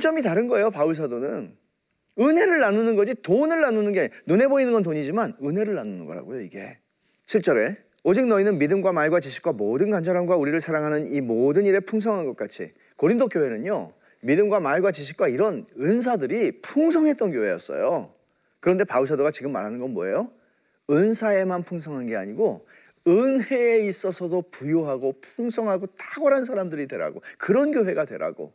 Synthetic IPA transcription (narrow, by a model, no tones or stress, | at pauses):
t͡ɕ͈ʌmitaɾɯnɡʌe̞jopauɭs̬ʰadonɯn | ɯnɦe̞ɾɯɭːanunɯnɡʌd͡ʑitonɯɭːanunɯnɡenune̞boinɯnɡʌntoɲid͡ʑimanɯnɦe̞ɾɯɭːanunɯ̰nɡʌɾa̰ɡojoiɡe̞̰ | ɕʰiɭt͡ɕ͈ʌɾe̞ | od͡ʑik̚nʌinɯnmidɯmɡwamaɭɡwat͡ɕiɕʰi̥k̚k͈wamodɯnkand͡ʑʰaɾamɡwauɾiɾɯɭsʰaɾaŋɦanɯnimodɯniɾepʰuŋs̬ʰʌŋɦanɡʌk͈̚at͡ɕʰḭ | koɾindok͈joɦe̞nɯɲo | midɯmɡwamaɭɡwat͡ɕiɕ̬ʰi̥k̚k͈waiɾʌnɯns̬ʰadɯɾipʰuŋsʰʌŋɦe̞t͈̚ʌnkjoɦe̞jʌ̰s͈ʌ̰jo | kɯɾʌnde̞paus̬ʰadoɡat͡ɕiɡɯmːa̰ɾɦanɯnɡʌnmo̰ḛjo | ɯnsʰae̞manpʰuŋsʰʌŋɦanɡe̞a̰ɲiɡo | ɯnɦe̞ːis͈ʌsʰʌdopujoɦaɡopʰuŋsʰʌŋɦaɡotʰaɡʌɾansʰaɾamdɯɾidwe̞ɾa̰ɡokɯɾʌnɡjoɦe̞ɡadwe̞ɾa̰ɡo̰